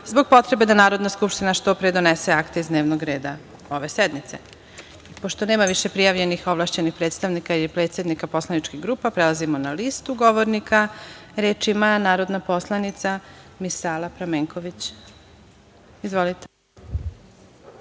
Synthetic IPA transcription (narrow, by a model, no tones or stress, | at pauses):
zbo̞ɡ̚po̞t̪ɾe̞be̞d̪anaːɾod̪naskupʃt̪inaʃt̪o̞pɾed̪oneseakt̪eizd̪neʋnoɡɾe̞ːd̪a | o̞ʋe̞sed̪mit̪se̞̰ | ipo̞ʃt̪one̞ːmaʋiʃe̞pɾijaʋʎe̞nixoʋlˠaʃt͡ɕenixpɾet̪st̪aʋnikailipɾe̞ːt̪sʲed̪nikapo̞slˠanit͡ʃkiɣɡɾuːpapɾelˠazimonalist̪uɡo̞ʋo̞ɾnikʰaɾeːt͡ʃiimanaːɾo̞d̪napo̞slˠanit̪samisaːlˠapɾameːŋko̞ʋit͡ɕ | izʋo̞lit̪e